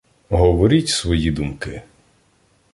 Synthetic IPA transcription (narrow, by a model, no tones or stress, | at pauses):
ɦɔʋɔɾʲitʲsʋɔjid̪umkɪ